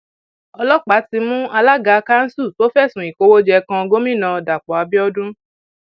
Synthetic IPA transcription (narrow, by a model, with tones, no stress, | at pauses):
ɔ˧lɔ˦k͡pa˨˦ti˧mũ˦a˧la˦ɡa˧ka˦n̩˦su˦˨to˦fɛ˦˨sũ˨i˨ko˧˦wo˦d͡ʒɛ˧kã˧ɡo˦mĩ˦˨nã˧da˨k͡pɔ˨a˧bi˦ɔ˦dũ˦